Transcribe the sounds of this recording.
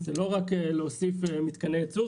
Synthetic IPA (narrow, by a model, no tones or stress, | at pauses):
zelo̞ʁakeleosifemit̪kanejat͡su